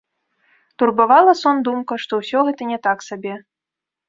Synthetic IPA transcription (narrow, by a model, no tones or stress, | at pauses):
t̪urbavalˠɐsɔnd̪umkɐʂt̪ɔwsʲɔɣɛt̪ɐnʲɛt̪aksabʲɛ